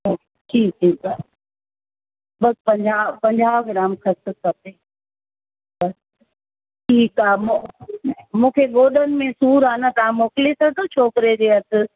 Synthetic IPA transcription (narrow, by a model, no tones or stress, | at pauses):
ʈʰiːk̚ʈʰiːkaɦ | bɐspɐ̃ɲd͡ʑaːpɐ̃ɲd͡ʑaːʋɡɪɾaːmkʰɐsəsɐt̪e | bɐs | ʈʰiːkaːmo | mũːkʰeɠoːɗənɪ̆mẽsuːɾaːnat̪ɐʋ̤ãmoːkɪlit̪ʰɐt̪ʰot͡ɕʰoːkɾed͡ʑeːɐt̪ʰɪ̆